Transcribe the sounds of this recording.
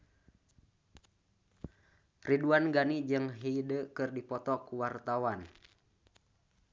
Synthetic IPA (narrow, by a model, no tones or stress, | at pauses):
riduanɡanid͡ʒɨŋɦiidəkɨrdipɔt̪ɔkuwart̪awan